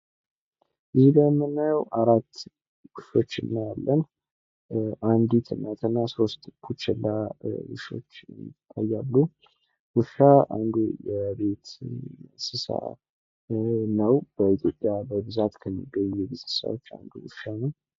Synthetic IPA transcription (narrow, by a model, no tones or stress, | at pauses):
ʔɨzibəmːɨnːajwʔaɾat̪ː | ɡɨfo̞t͡ʃːɨ̰nːəjalːən | ʔand̪it̪ʰɨnːət̪ʰɨnːasost̪ʼbʰut͡ʃːɛlːawɨʃo̞̰t͡ʃːjt̪ʼːajːalːu | wuʃaa̰nd̪ujɛbe̞t̪ | sɨsa̰ | nəwb̥əit̪ʰjopʼjabəbɨzat̪kʰəmːiɡːəɲːujɛbɨzasa̰wot͡ʃːa̰nd̪uwuʃanəw